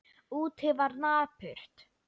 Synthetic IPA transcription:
uːt̪hɪvaɾnaːpʰʏɾ̥t̪

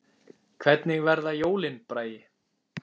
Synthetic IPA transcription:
kʰvɛt̪nɪɣvɛɾðajoːwlɪnpɾaːjɪ

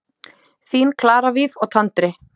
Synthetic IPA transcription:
θiːnkʰlaːɾaviðɔɣt̪ʰant̪ɾɪ

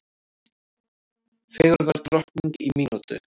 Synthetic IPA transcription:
fɛːɣɾɾðaɾ̥t̪ɾɔhkniŋt̪imiːnut̪ʏ̰

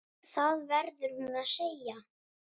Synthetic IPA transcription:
θaðvɛɾðʏɾ̥hunnaðseja

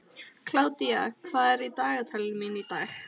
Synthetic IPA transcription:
kʰl̥awt̪iakʰv̥aːɛɾit̪aːɣat̪ʰɛlminid̪aːx

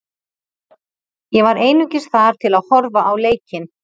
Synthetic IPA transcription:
jɛvaɾeːjnʏcɪsθaɾ̥t̪ʰɪlaðhɔɾvaʔawleːjcɪn

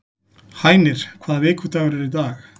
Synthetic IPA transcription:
haːjnɪɾ̥kʰvaːðaveːkʰut̪aɣʏɾɪɾid̪aːɣ

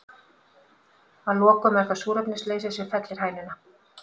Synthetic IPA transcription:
aðlɔːkœmɛɾ̥kasuːɾœpnɪsleːjsasɛfɛt̪lɪɾ̥haːjnɪna

